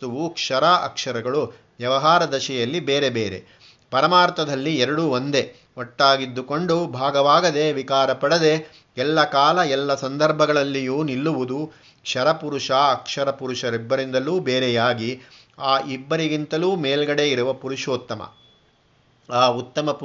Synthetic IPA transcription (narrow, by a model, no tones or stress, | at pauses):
t̪uʋukʂɐɾaʔɐ̰kʂɐɾɐɡɐɭu | ʋjɐʋɐɦaːɾɐd̪ɐʃɛjɐlːibeːɾe̞beːɾe̞̰ | pɐɾɐmaːɾt̪ɐd̪ɐlːiɛɾɐɽuʋond̪e̞ | oʈːaːɡid̪ːuko̞ɳɖubʱaːɡɐʋaːɡɐd̪e̞ʋikaːɾɐpɐɽɐd̪e̞ | ɛlːɐkaːlɐɛlːɐsɐnd̪ʱɐɾbʱɐɡɐɭɐlːijuːnilːuʋud̪u | kʂɐɾɐpuɾuʂaːɐkʂɐɾɐpuɾuʃɐɾibːɐɾind̪ɐluːbeːɾɛjaːɡi | aːʔibːɐɾiɡint̪ɐluːmeːlɡɐɽe̞iɾuʋɐpuɾuʂoːt̪ːɐmɐ̰ | aːut̪ːɐmɐp